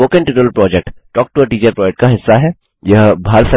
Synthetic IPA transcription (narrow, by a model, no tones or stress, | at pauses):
oːkẽɳʈɪʈəəlpɾɔːd͡ʒek̚ʈʈɔːk̚ʈuəʈiːt͡ʃəɾpɾɔːd͡ʒek̚ʈkaɦɪsːaɦɛ | jɐɦbʱaːɾt̪ʰə